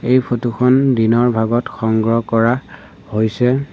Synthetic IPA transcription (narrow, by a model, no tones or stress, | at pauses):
ejpʰotuxʰɔndinɔɹbʱaɡɔtxɔŋɡɹɔkɔɹa | hojsɛ